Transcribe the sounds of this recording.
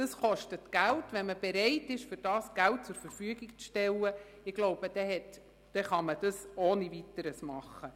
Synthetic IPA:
d̥əsχɔʃtətɡ̥æltʋɛnməb̥ɛɾɛɪtɪʃfʏɾd̥ɑːsɡ̥ælt̚t͡sʊɾfəɾfyəɡikt͡sʃtɛlːə | ɪɡ̥loʊb̥əd̥ɛɦɛt | d̥ɛχɑməd̥ɑsoːnivitəɾəsmɑχːə

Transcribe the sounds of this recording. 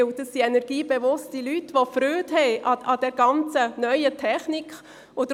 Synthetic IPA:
wd̥̪əsːiɛnɛɾɡ̥iːbeʋʊstilytʋofɾøːthɛɪʔɑɑd̥ɛɾɡɑnt͡sənœʏətʰɛχnikχ | od̪ə

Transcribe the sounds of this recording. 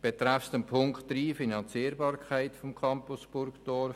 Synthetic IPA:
b̥et̪ɾafstəmpʰʊŋktriːfinɑnt͡siːɾbɑːɾkʰaɪtfɔmkʰɑmpʊsb̥ʊɾkd̥ɔɾf

